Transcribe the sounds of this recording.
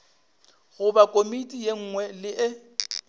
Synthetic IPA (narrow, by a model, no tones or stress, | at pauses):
ɣʊbakʼomitʼijeŋ̩ːŋwɛlɪʔɪ